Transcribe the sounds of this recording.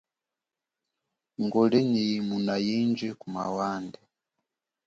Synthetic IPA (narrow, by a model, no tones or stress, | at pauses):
ŋɡɔlɛɲimunajind͡ʒɛkuma̰wandɛ